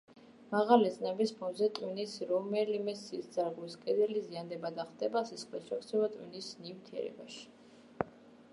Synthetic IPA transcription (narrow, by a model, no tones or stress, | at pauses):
maʁalid̪szʼnɛbispʰɔnzɛt̪ʼwinisɾɔmɛlimɛsiːsd̪zaɾɡiskʼɛd̪ɛliziand̪ɛbad̪aχd̪ɛbasisχlɛsʃɛkʰt̪sʰɛbat̪ʼwḭnisnimt̪ʰiɛ̰ɾɛ̰ba̰ʃi̥